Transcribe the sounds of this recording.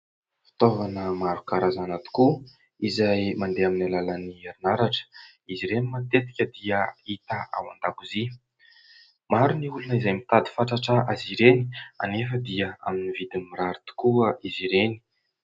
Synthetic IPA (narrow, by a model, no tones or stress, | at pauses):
fi̥t̪ovanəmaɾukaɾazanat̪u̥ku | izajmand̪eaminalalanieɾinaɾaʈ͡ʂə̥ | iziɾenimat̪et̪i̥kʲəd̪iəit̪aa̰wand̪akuzi | maɾuniulunəizajmit̪ad̪i̥faʈ͡ʂaʈ͡ʂəʔaziɾeni̥a̰nefəd̪iəa̰minivid̪inmiɾaɾit̪u̥kuəiziɾeni̥